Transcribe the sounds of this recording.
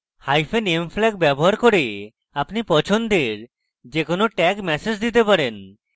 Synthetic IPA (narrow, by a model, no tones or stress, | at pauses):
hajfʰenemflɛk̚bɛboɦaɾkoɾe | apnipɔt͡ɕʰond̪eɾ | d͡ʑekonoʈɛkmɛsed͡ʑd̪it̪epaɾen